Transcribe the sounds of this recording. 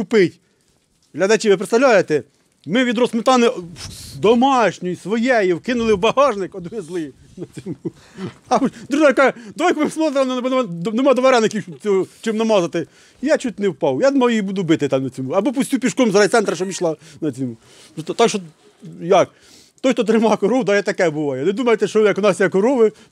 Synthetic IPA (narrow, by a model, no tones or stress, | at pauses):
kʊpɪtʲ | ɦlʲɐd̪ɐt͡ʃiʋɪp̬ɾet̪st̪ɐʋlʲajet̪ɛ | mɪʋʲid̪ɾɔsmɪt̪ɑnɪd̪ɔmɑʃnʲijisʋɔjɛjiwkɪnʊlˠɪwbɐhɑʒnɪkɔd̪ʋɪzlˠɪ | nɐt͡sʲɔmu | ɐd̪ɾuʒɑjkɑd̪ʋɔjkɔmɪmsmlˠzɾˠnɐnbɔnnemɑd̪ɔʋɐɾɛnɐkʲiwʃɔt͡sʲɔɦɔt͡ʃɪmnɐmɑzɐt̪ɪ | ijat͡ʃut̪ʲnewpɑwjanmɔjibud̪ʊbɪt̪ɪt̪ɑmnɐt͡sʲɔmuɐbɔpusʲtʲupʲiʃkɔmzɾɐjt̪sɛnt̪ɾɐʃɔpʲiʃlˠɑnɐt͡sʲɔmu | t̪ɔt̪ɑkʃt͡ʃɔ | jɐk | t̪ɔjxt̪ɔt̪̬ɾɪmɑkɔɾɔwd̪ɑjat̪ɐkɛbʊʋɑjɛned̪umɐjet̪ɛʃt͡ʃɔjɐkɔnɑsʲjakɔɾɔʋɪ